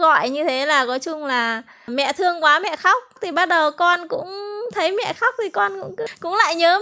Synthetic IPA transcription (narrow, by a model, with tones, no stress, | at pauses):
ɣɔ̰˧˨jɲɨ˧t̪ʰe˨˦laː˨˩kɔ˨˦jt͡ɕʊ˧ŋ͡mlaː˨˩ | mɛ̰˧˨t̪ʰɨ˧əŋkwaː˨˦mɛ̰˧˨xa˦˥wk͡p̚t̪ʰi˨˩ɓa˦˥t̚ɗə˨˩wkɔ˧nkʊ̰˧˥ŋ͡mt̪ʰə˨˦jmɛ̰˧˨xa˦˥k͡p̚t̪ʰi˨˩kɔ˧nkʊ̰˧˥ŋ͡mkkʊ̰˧˥ŋ͡mla̰ː˧˨jɲəː˨˦